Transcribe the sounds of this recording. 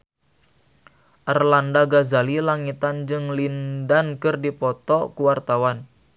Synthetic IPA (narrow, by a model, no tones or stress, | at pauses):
ʔərlandaɡazalilaŋit̪and͡ʒɨŋlindankɨrdipɔt̪ɔkuwart̪awan